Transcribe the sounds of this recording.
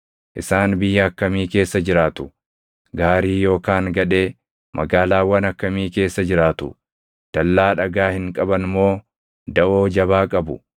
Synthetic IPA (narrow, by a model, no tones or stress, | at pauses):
ʔɪsaːnbɪjːɐɐkːɐmiːke̞ːsːɐd͡ʒɪɾaːt̪ʊ | ɡaːɾiːjo̞ːkaːŋɡɐᶑe̞ː | mʔɐɡaːlaːwɐnɐkːɐmiːke̞ːsːɐd͡ʒɪɾaːt̪ʊ | d̪̥ɐlːaːᶑɐɡaːhɪŋkʼɐbɐnmo̞ː | d̪ɐʔo̞ːd͡ʒɐbaːkʼɐbʊ